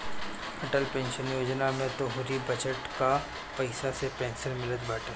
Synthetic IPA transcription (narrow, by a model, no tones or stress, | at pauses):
ɐʈəlpẽːnʃənjoːd͡ʒnamẽt̪oɦʊɾibɐd͡ʒəʈka | pɐɪsasepɛ̃ːnsəɾmɪləd̪baːʈeː